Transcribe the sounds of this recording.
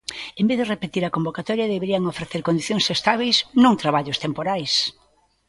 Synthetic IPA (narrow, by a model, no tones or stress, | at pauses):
embeðerepet̪iɾɐkombokat̪ɔɾjɐðeβeɾiɐŋofɾeθeɾkond̪iθjoŋsest̪aβ̞ejsnũŋt̪ɾaβaʎost̪empoɾajs